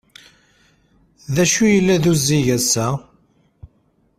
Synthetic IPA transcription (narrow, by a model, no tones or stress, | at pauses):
ðæʃujəlːæðuzːiʝæsæ